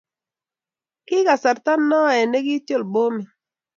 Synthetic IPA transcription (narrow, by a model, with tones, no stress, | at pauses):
kɪ˦ka˨sa˨ɾt̪a˦nːɔ˦ɛ˨ne˦ɡi˦tjo˦˨lbo˦mi˨